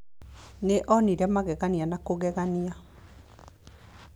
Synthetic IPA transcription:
neʔɔniɾamaɣɛɣanianakoɣɛɣania

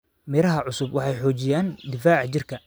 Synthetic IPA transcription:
mɪɾɐɦɐʕʊsʊbwɑħɑjħɔːt͡ʃɪjaːnd̪ɪfaːʕt͡ʃɪrkʰɐ

